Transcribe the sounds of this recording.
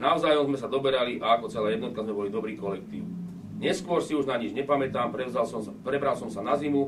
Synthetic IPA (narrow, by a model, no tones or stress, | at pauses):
naʊzaːjɔmzmɛsad̪ɔbɛɾaliʔaakɔt͡sɛlaːjɛd̪nɔt̪kazmɛbɔlid̪ɔbɾiːkɔlɛkt̪ḭːʊ | ɲɛskʊɔɾsiuʒnaɲid͡ʒɲɛpamɛt̪aːmpɛzpɾɛbɾalsɔmsanazimu